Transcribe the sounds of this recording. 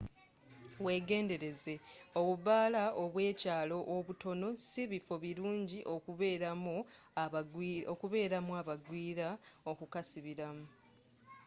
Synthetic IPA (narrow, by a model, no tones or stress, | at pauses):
we̞ːɡe̞ːnde̞ɾe̞ze̞o̞βuβaːlaoβwe̞ːcaːlo̞ʔoβuto̞no̞siβifo̞βiɾuːɲɟiʔo̞kuβeɾamu | okuβe̞ːɾamuaβaɡwiːɾao̞kukasiβiɾamu